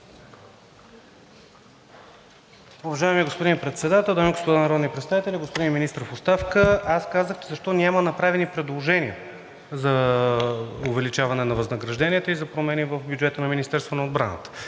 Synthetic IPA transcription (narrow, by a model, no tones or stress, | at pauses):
ʊvɐʒajɛmiɡospod̪inpɾɛt̪sɛd̪at̪ɛlˠd̪amiɡospod̪anɐɾɔd̪nipɾɛt̪st̪avit̪ɛlʲiɡospod̪inminist̪ɾfost̪afkəaskazəxt͡ʃɛzɐʃt̪ɔnʲamənɐpɾavɛnipɾɛd̪lˠoʒɛnʲiə | zɐ | ʊvɛlit͡ʃavɐnɛnɐvɐznəɡɾɐʒd̪ɛnʲiɛt̪əizɐpɾomɛnivəvbʲjud͡ʒɛt̪ənɐminist̪ɛɾst̪vənɐod̪bɾa̰nə̰t̪ə̥